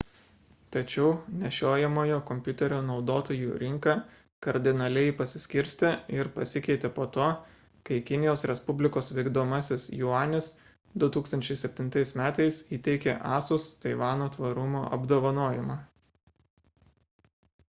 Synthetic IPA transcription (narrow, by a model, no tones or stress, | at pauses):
t̪ɐt͡ʃʲɛʊnʲɛʃʲoːjɛmoːjoːkɔmʲpʲjʊt̪ʲɛɾʲoːnɒʊd̪oːt̪oːjuːɾʲɪŋkɑː | kɐɾʲd̪ʲɪnɐlʲɛɪpɐsʲɪsʲkʲɪɾʲsʲt̪ʲɛɪɾpɐsʲɪkʲɛɪt̪ʲepoːt̪oː | kɐɪkʲɪnʲɪjoːsɾʲɛspʊbʲlʲɪkoːsʋʲɛɪɡd̪oːmɐsʲɪsjʊɑːnʲɪs | d̪ʊt̪uːkst̪ɐnʲt͡ʃʲɛɪsʲɛpʲt̪ʲɪnt̪ɐɪsmʲæːt̪ɐɪsiːt̪ʲɛɪkʲeʔɑːsʊst̪ɐɪʋɑːnoːt̪ʋɐɾʊmoːʔɐbd̪oːʋɐnuɔjɛmɑː